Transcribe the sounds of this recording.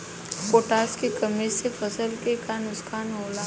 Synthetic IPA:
koːʈaːskekəmesepʰəsəlkekaːnʊskʰaːnɦoːla

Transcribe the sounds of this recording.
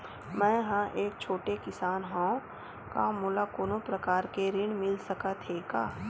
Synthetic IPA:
mɛ̃ːɦãʔeːk̚t͡ʃʰoːʈekɪsaːnɦõː | ka̰muːlakoːnõpɾɐkaːɾkeɾɪɳ̃mɪlsɐkat̪ʰeːka̰ː

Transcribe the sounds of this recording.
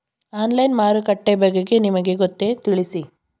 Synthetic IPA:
aːnlɐjnmaːɾukɐʈːebɐɡeɡe̞nimɐɡe̞ɡot̪ːet̪iɭisi

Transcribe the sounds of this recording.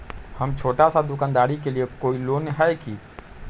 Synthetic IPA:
həmt͡ʃʰoːʈasad̪ʊkaːnd̪aːɾik̬eliekoːilonɦɛjki

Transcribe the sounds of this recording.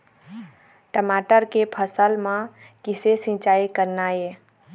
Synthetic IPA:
ʈəmaʈəɾkepʰəsəlmã | kɪsesĩt͡ʃaːikəɾnae

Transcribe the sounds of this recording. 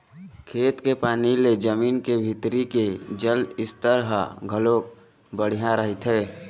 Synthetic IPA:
kʰeːt̪kepaːniled͡ʒəmiːnkebʱɪt̪ɾiked͡ʒəlɪst̪əɾɦəɡʱəloːk | bəɽ̤ijãɾəɦit̪ɦɛː

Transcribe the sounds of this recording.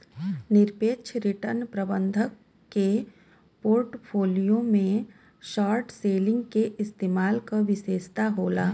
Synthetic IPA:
nɪɾpeːt͡ʃʰɾɪʈəɾnpɾəbə̃nd̪ʱəkː | e | poːɾʈpʰoːlijõmẽ | ʃaːɾʈseːlɪ̃ŋɡkeʔɪst̪eːmaːlkaʋɪʃeːʃt̪aɦoːlaː

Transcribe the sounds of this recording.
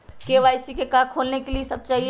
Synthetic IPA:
keʋaːɪsikekãːkʰoːlnekeliesɐb̚t͡ʃaːɦi

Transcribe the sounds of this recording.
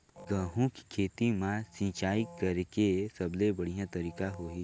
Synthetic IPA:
ɡəɦũki̥kʰeːt̪imãsĩːt͡ʃaːikɐɾkesɐblebɐɽ̤ijãt̪ɐɾiːkaɦoːɦi

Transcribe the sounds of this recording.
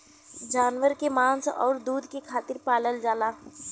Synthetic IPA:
d͡ʒaːnʋəɾkemãːnsɔ̰ːɾd̪uːd̪kekʰaːt̪ɪɾpaːləld͡ʒaːlaː

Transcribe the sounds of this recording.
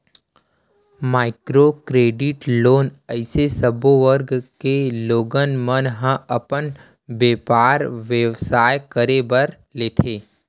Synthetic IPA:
maːɪkɾokɾeːɖɪʈloːnəɪsesəboʋəɾɡkeloːɡənmənɦə̃ɐpən | ʋeːpaːɾʋjeʋsaːjkəɾebəɾ | leːt̪ʰeː

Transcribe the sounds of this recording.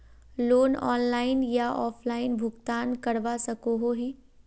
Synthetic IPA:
loːnɔ̰ːnlaːɪnjaɔːfʰlaːɪnbʱʊɡt̪aːnkɐɽʋasɐkoɦoɦiː

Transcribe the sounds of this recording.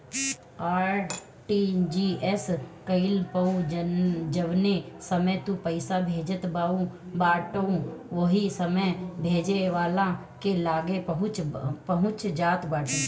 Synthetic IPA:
aːɾ | ʈid͡ʒiːʔɛskəɪlpəũ | d͡ʒəʋnesəməjt̪ũpəɪsabʱeːd͡ʒət̪baːũbaːʈoũʋoɦisəməjbʱeːd͡ʒeʋaːlã | kelaːɡepəɦʊ̃t͡ʃpəɦʊ̃t͡ʃd͡ʒaːt̪baːʈõ

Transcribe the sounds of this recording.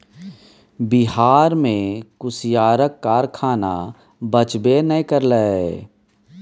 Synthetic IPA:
bɪɦaːɾmẽkʊsjaːɾəkːaːɾkʰaːna̰ | bət͡ʃbenəikəɾlə

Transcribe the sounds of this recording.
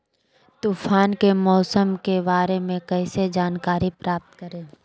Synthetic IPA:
t̪uːfʰaːnkemɔːsəmkebaːɾemẽkɛɪsed͡ʒaːnkaːɾipɾaːp̚t̪kəɾẽː

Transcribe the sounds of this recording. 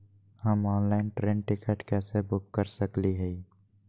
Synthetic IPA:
həmɔːnlaɪnʈɾẽːnʈɪkəːʈkɛːsebʊkːəɾsəkliɦɛ

